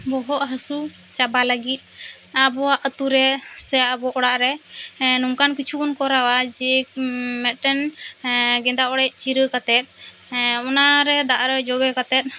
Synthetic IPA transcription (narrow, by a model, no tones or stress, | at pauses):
bɔɦɔʔɦəsu | t͡ʃabaləɡit̪̚ˀ | abɔwaʔət̪uɾɛsɛaʔəbɔʔɔɽaʔɾɛnumkankit͡ʃʰukunkɔɾawad͡ʒɛmɛʈɛn | ɡɛnd̪aʔɔɽɛc̚t͡ʃiɾəkat̪ɛt̪̚ | ɔnaɾɛd̪aʔɾɛd͡ʒɔwɛkat̪ɛt̪̚ˀ